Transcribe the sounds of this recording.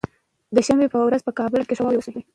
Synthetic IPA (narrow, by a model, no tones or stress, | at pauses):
d̪əʃambepəwɾazpəkɑːbəlkeʂɐwɑosome